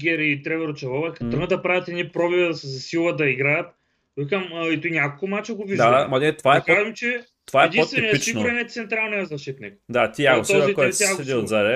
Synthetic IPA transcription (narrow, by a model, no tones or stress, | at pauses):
ɡʲɛɾit̪ɾɛvɛɾot͡ʃɛvˠɔvɐkɐt̪ɾnət̪ɐpɾavʲɐt̪ɛnipɾɔbivɐszsilˠɐd̪ɐiɡɾajɐt̪ | ikɐmit̪unʲakolˠkomat͡ʃɛɡoviʒd̪aamɐnɛt̪ovaɛkazimt͡ʃɛ | ovaɛd̪ĩot̪vɛnoit͡ʃ̪iɡnʊɾɛnɛt̪sɛnt̪ɾalˠnɛzɐʃit̪nɛkd̪at̪ijakst̪ɔzikɔɛɛɾsasɛd̪iod̪zaɾɛ